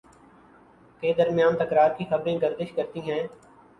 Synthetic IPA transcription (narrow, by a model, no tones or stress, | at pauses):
keːd̪əɾmɪjaːnt̪əkɾaːɾkixəbɾẽːɡəɾd̪ɪʃkəɾt̪iːɦɛ̃ː